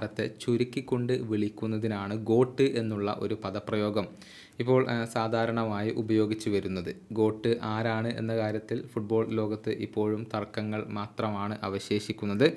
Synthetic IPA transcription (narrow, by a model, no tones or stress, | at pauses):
ɾɐt̪ːe̞t͡ɕuɾikʲːikʲːo̞ɳɖɨʋiɭikʲːunːɐðinaːɳɨɡo̞ːʈːɨʔe̞nːuɭːɐ̰ʔo̞̰ɾupɐðɐprɐjo̞ːɡɐm | ipːo̞ːɭsaːd̪ʱaːɾɐɳɐmaːjiʔubɐjo̞ːɡit͡ɕːuʋɐɾunːɐðɨɡo̞ːʈːɨʔaːɾaːɳɨʔe̞̰nːɐkaːɾjɐt̪ːilfuʈ̚bo̞ːɭlo̞ːɡɐt̪ːɨʔipːo̞ːɻumt̪ɐrkːɐŋːɐɭmaːt̪rɐmaːɳɨʔɐʋɐɕje̞ːɕikʲːunːɐðɨ